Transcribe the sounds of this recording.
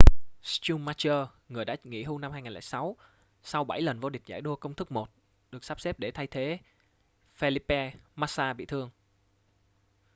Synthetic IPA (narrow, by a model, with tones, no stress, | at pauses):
st͡ɕu˧mːaː˧t͡ɕəː˧ | ŋɨ˨˩əjɗa̰ː˧˥ŋḭ˧˥ɦu˧na˧mhaː˧jŋaː˨˩lɛ̰ː˧˨˩jsa˨˦w | sa˧wɓa˧˩jlə˨˩nvo˧ɗi˨˩k̟̚za̰ː˧˩jɗu˧əkə˧wŋ͡mt̪ʰɨ˦˥k̚mo˨˩t̚ | ɗɨ˨˩ək̚saː˦˥p̚sɛ˦˥p̚ɗe˧˩t̪ʰa˧jt̪ʰe˨˦ | fe˧li˦pɛ˧maː˦˥saː˧ɓḭ˧˨t̪ʰɨ˧əŋ